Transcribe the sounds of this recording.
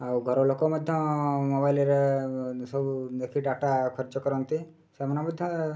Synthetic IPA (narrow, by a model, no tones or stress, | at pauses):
auɡʱəɾolokoməd̪ʱjɔ̃mɔbailiɾesəbud̪ekʰiɖaʈakʰəɾt͡ʃɔkəɾɔnt̪i | semənaməd̪ʱːjɔ̃